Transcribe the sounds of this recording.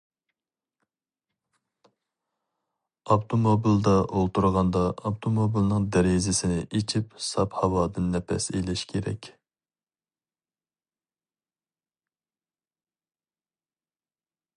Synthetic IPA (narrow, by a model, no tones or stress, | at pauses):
ɑpt̪ʰomobild̪ɑʔolˠt̪uɾʁɑnd̪ɑːpt̪ʰomobilˠnɨŋd̪æɾezɪsɪnɪʔet͡ʃʰipsɑphɑwɑːd̪ɨnːɛpʰɛ̰selɪʃkʲʰeɾɛ̰kʲ